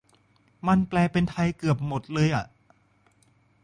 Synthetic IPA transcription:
ma˧nplɛː˧pe˧nt̪ʰa˧jkɯ˨˩əp̚mo˨˩t̪̚lɤː˧jʔa˨˩ʔ

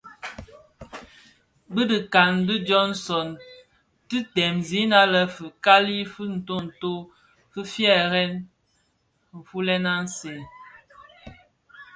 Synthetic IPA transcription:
bə˦də˨ka˨ndi˦d͡ʒɔ˦nsɔ˨n | ti˦tɛ˨mzi˨˦na˦lə˦fə˨ka˦li˦fə˦n̩˨to˦n̩˨to˦ | fə˦fjɛ˦˨ɣɛ˦n | m̩˨fu˦lɛ˦na˦n˦se˨

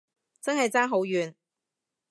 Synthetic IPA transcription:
t͡sɐ˥nɦɐ˨jt͡saː˥nɦo˨˥wjyː˨˧n

